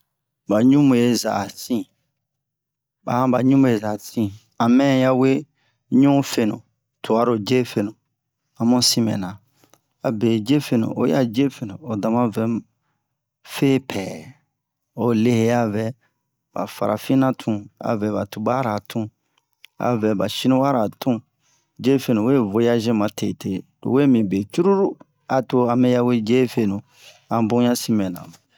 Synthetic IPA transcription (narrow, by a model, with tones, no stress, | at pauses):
ba˨ɲũ˦mũ˨je˨za̰˨tĩ˦ | ba̰˨hã˦ba˨ɲũ˦mũ˨je˨za˨tĩ˦˨ | a˨mɛ̃˦ja˦we˦ | ɲũ˦fe˨nṵ̃˨ | tʰu˨a˨ɾo˨d͡ʒe˦fe˧nũ˨ | a˨mũ˦sĩ˦mɛ̰˨nã˨ | a˨be˨d͡ʒe˦fe˦nṵ̃˨ʔo̰˨˦ja˦d͡ʒe˦fe˨nũ˨o˨da˨mã˦vɛ˨ | feː˦pʰɛː˨ | o˨le˦he˦a˦vɛ˨ | ba̰˨fa̰˨ɾa˨fĩ˦nã˦tʰũ˦a̰˨vɛ˨ba˨tu˨ba˦ɾa˨tʰũ˦ | a̰˨vɛ˨ba˨ʃi˦nũ˦wa˦ɾa˨tũ˦ | d͡ʒe˦fe˦nũ˨we˦˨vo˨˦ja˦ʒɛ̃˦mã˨tʰe˨te˦ | o̰˨we˦mĩ˨be˨t͡ʃu˦ɾu˦ɾu˦ | a˨to˨a˨mɛ˦ja˦we˦d͡ʒe˦fe˦nũ˨ | ã˨bũ˦jã˦si˦mɛ̃˨nã̰˨